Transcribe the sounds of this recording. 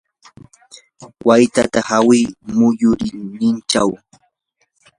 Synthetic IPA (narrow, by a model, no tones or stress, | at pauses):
wʔajt̪a̰t̪ahawɪːmʊjʊɾɪnɪnt͡ʃaw